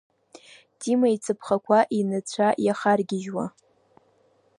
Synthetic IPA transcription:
tʼimajt͡sʰɨpʰχakʷʰaʔinɨt͡ɕʷʰajaχarɡʲɪʒwa

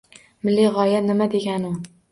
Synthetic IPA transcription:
mɪlːiʁɒjanɪmad̪e̞ɡʲanʊ

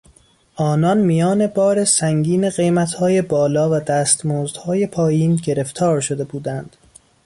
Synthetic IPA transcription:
ʔɒːnɒnmijɒːne̞bɒːɾe̞sæŋɟiːne̞ɢe̞jmæt̪hɒːje̞bɒːlɒːvæd̪æːst̪moːzd̪̥hɒːje̞pʰɒːjiːnɟe̞ɾe̞ft̪ʰɒːɾʃod̪e̞buːd̪ænd̪̥

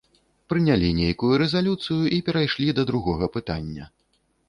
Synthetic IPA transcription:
pɾɨnʲalʲinʲejkujuɾɛzalʲut̪sɨjuʔipʲɛɾajʂlʲid̪ɐd̪ɾuɣɔɣɐpɨt̪a̰nʲːɐ̰

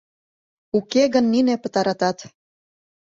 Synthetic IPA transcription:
ukeɣənːinepə̆t̪ɑɾɑt̪ɑt̪

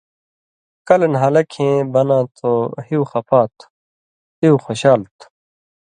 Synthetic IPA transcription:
kɐlnɦɐlɐkʰẽːbɐnãːt̪ʰohiwxɐpʰaːt̪ʰ | hiwxoɕaːlt̪ʰu̥

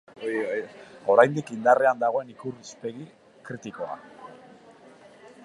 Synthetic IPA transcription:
oiojoɾajnd̪ikind̪areand̪aɣ̞o̞e̞nikurispe̞ɣi | kɾit̪iko̞a̰

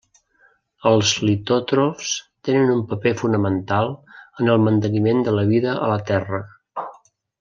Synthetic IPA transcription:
əlˠzlit̪ot̪ɾofst̪enənumpəpefunəmənt̪alˠənəlˠmənt̪ənimend̪ələβ̞iðəʔə̰lət̪ɛrə

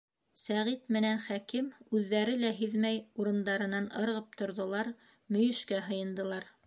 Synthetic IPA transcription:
sæʁit̪mɘ̆nænχækimʉðːæɾɘlæɦiðmæjuɾɤ̆nd̪ɑɾɤ̆nɑnɤ̆ɾʁɤp̚t̪ŏɾðŏlˠɑɾ | mɵ̆jɵ̆ʃkæɦɤ̆jɤ̆nd̪ɤ̆lˠɑɾ

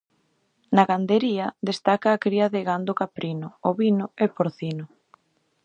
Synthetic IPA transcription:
naɣand̪eɾiɐd̪est̪akaːkɾiɐðeɣand̪okapɾinʊoβinʊepoɾθinʊ

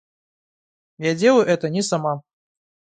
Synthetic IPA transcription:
jad͡zʲeluʔɛt̪ɐnʲɛsama

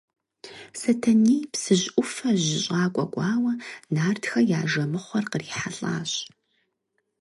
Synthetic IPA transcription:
sɐtʰɐniːpsɨʑʔʷʼʊfɐʑɪɕʼaːkʷʼɔ̰ɡʷʼɑːwɐnaːrtxɐjaːʒɐmɨχʷɔrqəriːħaɮʼa̰ːɕ

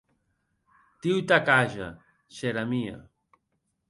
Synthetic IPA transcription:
t̪iwt̪akaʒa̰ | seɾamia̰

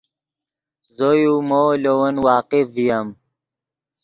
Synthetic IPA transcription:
zojumoːlowɐnwaːqifːijam

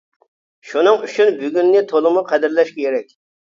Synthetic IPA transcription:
ʃunɨŋyt͡ʃʰynbyɡʲynːɪt̪ʰolˠɨmʊqʰɛd̪ɪɾlɛʃkʲʰeɾɛkʲ

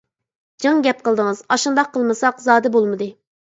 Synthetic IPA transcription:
d͡ʒɨŋɡʲɛp̚qəlˠd̪ɨŋɨzɑʃund̪ɑqʰːəlˠmɨsɑqzɑːd̪ɛbolˠmɨd̪ɨ

